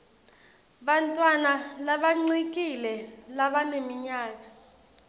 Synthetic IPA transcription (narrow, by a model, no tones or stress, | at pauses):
ɓantʼwanalaɓaŋ͡ǀik̬ʼilɛlaɓanemiɲaːk̬a